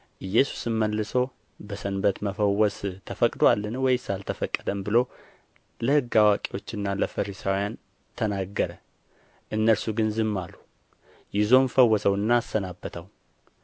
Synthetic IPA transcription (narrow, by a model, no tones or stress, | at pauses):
ʔɨjːɛsu̥sɨmməlːɨso̞ | bəsənbət̪məfəwːɔst̪ʰəfəkʼd̪oalːɨnwɔjsalt̪ʰəfəkʼːəd̪əmbɨlo̞ | ləhɨɡːawakʼiwo̞t͡ʃːɨnːaləfəɾisawijan | t̪ʰənaɡːəɾə | ʔɨnːəɾsuɡɨnzɨmːalu | jɪzo̞mfəwːɔsəwɨnːaːsːənabːət̪ʰəw